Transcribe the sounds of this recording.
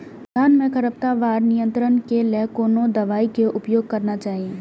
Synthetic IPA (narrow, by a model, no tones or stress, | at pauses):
ɡ̪ʱaːnmẽkɐɾəp̚t̪aʋaːɾnɪjə̃nt̪ɾənkelɛːkoːnõd̪ɐʋaːikeʔʊpjoːɡ̚kɐɾnat͡ʃaːɦiẽː